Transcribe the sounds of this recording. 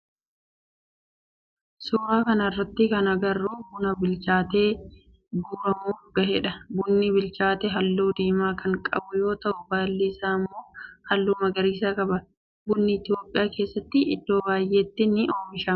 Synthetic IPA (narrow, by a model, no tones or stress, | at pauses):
sʊːɾaːkɐnɐrːɐt̪ːɪkɐnɐɡɐrːuːbʊnɐbɪlt͡ʃaːt̪e̞ː | ɡuːɾɐmuːʊɾɡɐhɛᶑɐbʊnːɪbɪlt͡ʃaːt̪ɛɦɐlːuːd̪iːmaːkʰɐŋkʼɐ̰bʊjo̞ːt̪ɐʔʊbaːlːɪsaːmːoːhɐlːuːmɐɡɐɾiːsakʼɐbɐ | bʊnːɪɪt̪ɪjo̞ːpʼːɪjaːke̞ːsːɐt̪ːɪɪ̰d̪ːo̞ːbaːjʔeːt̪ːɪnɪʔoːmɪʃa